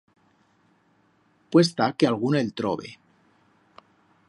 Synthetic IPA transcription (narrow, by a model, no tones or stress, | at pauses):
pwest̪akealɣ̞unelt̪ɾo̰βḛ